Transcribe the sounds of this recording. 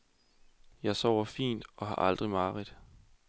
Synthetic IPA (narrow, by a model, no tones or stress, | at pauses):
jɑ̈ɪsɒʊ̰ɐfḭːnd̥ɒ̽ɦɑ̈ʔɑ̈ld̥ʁimɑ̈ːʁid̥ˠ